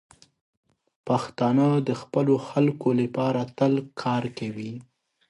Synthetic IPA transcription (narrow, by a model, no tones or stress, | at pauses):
paxt̪ɑnɑd̪əxpəloxalkoləpɑɾat̪əlkʰɑɾkawi